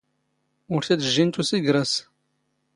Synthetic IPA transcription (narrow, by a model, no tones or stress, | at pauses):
ʊɾθæd̪ʒːint̪usiɡɾəs